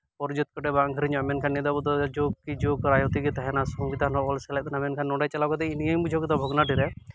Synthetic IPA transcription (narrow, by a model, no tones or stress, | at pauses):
pɔɾd͡ʒɔt̪̚kɔʈɛbaŋɡʱɾiɲɔamɛnkʰanːid̪abɔd̪ɔd͡ʒɔkːid͡ʒokɾajɔt̪iɡit̪aɦɛnasɔŋbit̪anɔɔlsɛlɛjt̪anamɛnkʰanːɔɖajt͡ʃalakɔd̪ɛinijəjbud͡ʒʱokt̪abʱɔɡnaʈiɾɛ